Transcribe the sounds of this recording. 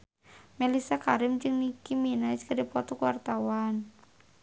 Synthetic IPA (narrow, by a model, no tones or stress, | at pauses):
mɛlisakaɾɪmd͡ʒɨŋnikiminaskadipɔt̪ɔkuwart̪awan